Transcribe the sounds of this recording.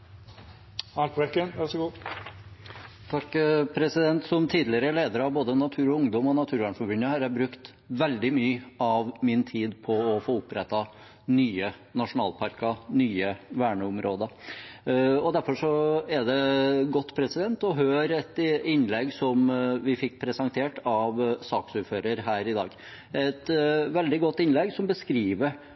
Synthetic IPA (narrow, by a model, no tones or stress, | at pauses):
ɑpʁɛkːənʋæʁʂɔɡuː | t̪ʰɑkːpʰɾɛsɪd̪ɛnt̪sɔmt̪ʰiːd̪lɪəɾəleːd̪əɾəɑʋboːd̪ənɑt̪ʰʉːɾɔʊŋd̪ɔmɔnɑt̪ʰʉːɾʋæɳfɔbʏnːəhɑɾjæbɾʉkt̪ | ʋɛld̪ɪmyːɑʋmɪnt̪ʰiːd̪pʰɔːfoːʊpɾɛt̪ːɑ | nyːənɑʂʊnɑ̰ːlpʰɑɾkɑnyːəʋæːɳəʊmɾoːd̪ə | ɔd̪æɾfɔʂɔɛd̪ɛɡɔt̪ːpʰɾɛsɪd̪ɛnt̪ɔɦøːɾɛt̪ɪnːlɛɡsɔmʋɪfɪkːpʰɾɛsɑŋt̪ʰeːʈɑʋsɑːksʉɾføːɾəɾɦæːɾɪd̪ɑ̰ːɡ | ɛt̪ʋɛld̪ɪɡɔt̪ːɪnlɛɡsɔmbəskɾiːʋə